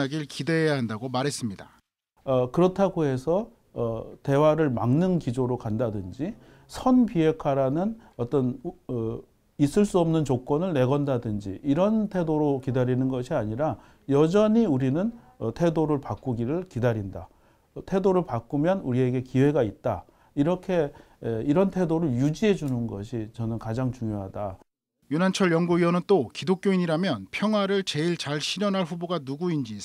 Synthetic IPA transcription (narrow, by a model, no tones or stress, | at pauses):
aɡiɭkideɦejaɦandaɡomaɾɦe̞s͈ɯmɲida | ʌkɯɾʌtʰaɡoɦe̞sʰʌː | te̞waɾɯɭmaŋnɯnkid͡ʑoɾokandadɯnd͡ʑi | sʰʌnpiɦe̞kʰwaɾanɯnʌt͈ʌn | is͈ɯɭs͈uʌmnɯnt͡ɕok͈ʌnɯɭne̞ɡʌndadɯnd͡ʑḭʔiɾʌntʰe̞doɾokidaɾinɯnɡʌɕʰiaɲiɾa | jʌd͡ʑʌɲiuɾinɯn | ʌtʰe̞doɾɯɭpak͈uɡiɾɯɭkidaɾinda | tʰe̞doɾɯɭpak͈umjʌnuɾie̞ɡe̞kiwe̞ɡait̚t͈a | iɾʌkʰe̞ | iɾʌntʰe̞doɾɯɭjud͡ʑiɦe̞d͡ʑunɯnɡʌ̰ɕʰit͡ɕʌnɯnkad͡ʑaŋt͡ɕuŋjoɦada | junant͡ɕʰʌɭjʌŋɡuiʌnɯnt͈okidok͈̚joiɲiɾamjʌnpʰjʌŋɦwaɾɯɭt͡ɕe̞iɭt͡ɕaɭɕʰiɾʌnɦaɭɸuboɡanuɡuind͡ʑi